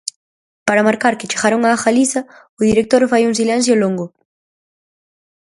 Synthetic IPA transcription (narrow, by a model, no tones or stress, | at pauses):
paɾamaɾkaɾket͡ʃeɣaɾoŋaaxalisa | ʊðiɾek̚t̪oɾfajuŋs̬ilɛ̃n̟θ̬jolõŋɡo